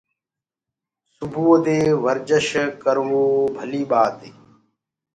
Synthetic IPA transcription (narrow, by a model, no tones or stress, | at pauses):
sʊbʱuːd̪eːʋəɾd͡ʒəʃkəɾʋoːbʱəliːɓaːt̪eː